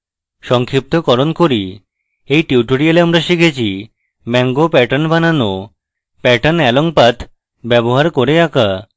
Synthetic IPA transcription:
ʃɔŋkʰip̚t̪okɔɾonkoɾi | ejʈiuʈoɾialeamɾaʃikʰet͡ɕʰi | mɛŋɡopɛʈanbʱanano | pɛʈanɛloŋpat̪ʰ | bɛboɦaɾkoɾeaka

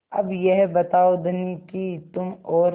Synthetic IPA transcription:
ɐbjɛɦbɐt̪aːod̪nikit̪ʊmɔːɾ

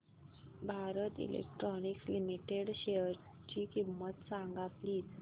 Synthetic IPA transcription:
bʱaɾət̪ḭlḛk̚ʈɾɔnikslimiʈeɽɕeəɾ | t͡ɕiːkimːət̪sãŋɡat̪liːt̪

